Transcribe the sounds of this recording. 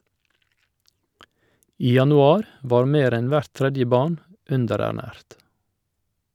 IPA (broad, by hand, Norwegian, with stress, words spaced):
ˈiː jɑnʊˈɑːɾ ˈʋɑːɾ ˈmeːɾ ˈɛn ˈʋæɾt ˈtɾɛdjə ˈbɑːɳ ˈʉndəɾæˌɳæːɾt